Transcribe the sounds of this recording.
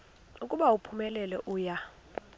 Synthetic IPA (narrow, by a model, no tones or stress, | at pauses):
ukʼuɓaupʰumɛlɛlɛʔuːja